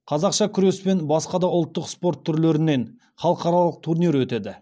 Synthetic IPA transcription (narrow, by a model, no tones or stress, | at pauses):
qʰɑzɑqʃɑkʲʰʏɾe̞spe̞nbɑsqɑd̪ɑʊlˠt̪ːəqspo̞ɾt̪ʰːʏɾle̞ɾɪne̞n | χɑlˠəqɑɾɑlˠəq̚t̪ʰuɾnijɾwɵt̪e̞d̪ɪ